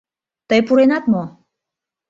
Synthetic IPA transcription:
t̪əjpuɾenɑt̪mo

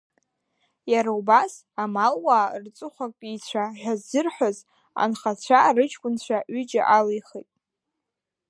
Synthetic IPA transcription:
jaɾaubas | amalwaːrt͡sʷʼʊχʷakʷʼit͡ɕʷʰaʒʷᶣazɨrħʷᶣaz | a̰nχat͡ɕʷʰarɨt͡ʃʰkʷʼʊnt͡ɕʷʰaɥʏd͡ʒa̰ʔalijχejtʼ

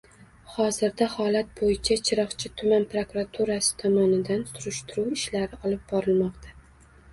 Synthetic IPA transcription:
hɒzɪɾd̪ahɒlat̪̚bojɪt͡ʃʰat͡ʃʰɪɾɒχt͡ʃʰɪt̪ʰʊmanpɾokɾat̪ʰuɾasɪ̥t̪ʰɒmɒnɪd̪ansʊɾɪʃt̪ɪɾuwɪʃlaɾɪɒlˠɪp̚bɒɾɪlmɒqt̪ʰa

